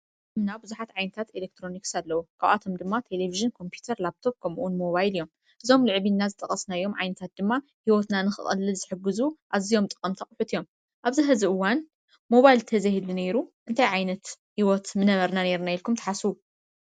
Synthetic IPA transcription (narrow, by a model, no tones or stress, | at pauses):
ɨmnabɨzuħat̪ʕajnɐt̪ʰat̪elek̚t̪ʰɾo̞niksalːɐwukʰaβa̰t̪ʰo̞md̪ɨmːat̪ʰe̞leviʒɨnkʰo̞mpʰjut̪ʰɐɾlap̚t̪ʰo̞p̚kʰɐmʔunmo̞βajlijo̞m | ʔɨzo̞mlɨʕβinːazɨt̪ʼɐχʼɐsnajo̞mʕajnɐt̪ʰat̪̚d̪ɨmːa | hiwot̪nanɨxɨ̰χʼɐ̰lːɨlzɨħɨɡːɨzuʔazijo̞mt̪ʼɨ̥qʼɐmt̪ʰɐχʼħut̪ʰijo̞m | ʔaβzɨɦɨziɨwːan | mo̞βajlt̪ʰɐzahɨluneɾuʔɨnt̪ʰajʕajnɐt̪hiwot̪mɨnɐβɐɾnane̞ɾnajilkʰumt̪ɐ̥ħasuu